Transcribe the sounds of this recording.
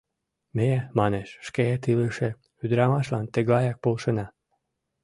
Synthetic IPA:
meemɑneʃʃkeet̪ilɨʃe | yd̪ɾɑmɑʃlɑnt̪eɡlɑjɑk̚polʃɤnɑ

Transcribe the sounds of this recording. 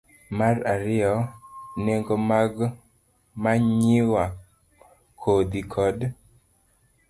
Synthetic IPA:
maraɾɪjɔneŋɡomaɡ | maɲɪwa | kʰod̪ikʰɔd

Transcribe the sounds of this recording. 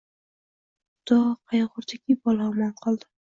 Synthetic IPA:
d̪̥ɒqʰɑjʁʊɾd̪ʰakʲibɒlˠaɒmɒnqʰɒlˠd̪ɪ

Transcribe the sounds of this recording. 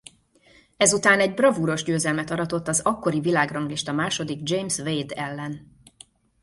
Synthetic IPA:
ɛzut̪aːnɛɟbrɒvuːɾo̞ʒɟøːzɛlmɛt̪ɒɾɒt̪o̞t̪ːɒzɒkːo̞ɾivilaːɡrɒŋɡliʃt̪ɒmaːʃo̞d̪iɡd͡ʒejmsvejd̪ɛlːɛn

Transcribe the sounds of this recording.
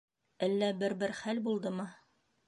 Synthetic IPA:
ælːæbɘɾbɘɾχælbulˠd̪ɤmɤ

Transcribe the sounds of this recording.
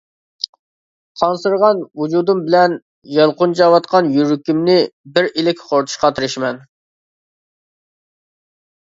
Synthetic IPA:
qʰɑnsɨɾʁɑnvud͡ʒud̪umbɪlɛn | jɑlˠqʊnt͡ʃɑwɑt̪̚qʰɑnjyɾykʲimnɪbɪɾilɪkʲχoɾt̪ʰʊ̥ʃqɑt̪ʰɨɾɪʃmɛn

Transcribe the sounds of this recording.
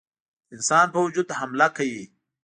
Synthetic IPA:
ɪnsɑːnpawud͡ʒud̪hɐmlakʰai

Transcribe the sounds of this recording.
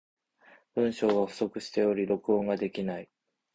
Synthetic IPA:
b̥ɯ̟̃ɰ̃ɕo̞ːɡaɸɯ̟̥so̞kɯ̟ɕi̥t̪e̞o̞ɾʲiɾo̞kɯ̟õŋɡad̪e̞kʲinai

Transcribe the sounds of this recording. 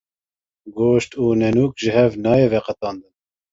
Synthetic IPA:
ɡoːʃt̪uːnɛnuːkʒɪhɛvnɑːjevɛqɛt̪ɑːnd̪ɨn

